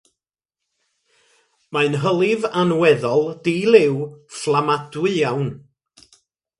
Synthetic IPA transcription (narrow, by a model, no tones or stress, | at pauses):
majnɦəlˠɪvanwɛðɔlˠdiːlˠɪwflˠamadwʊjawn